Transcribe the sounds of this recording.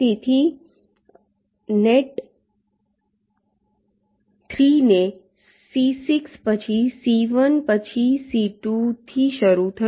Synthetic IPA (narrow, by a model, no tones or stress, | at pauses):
t̪et̪ʰi | neʈ | t̪ʰɾine | sisikspət͡ɕʰisiʋənpət͡ɕʰisiʈut̪ʰiʃəɾut̪ʰə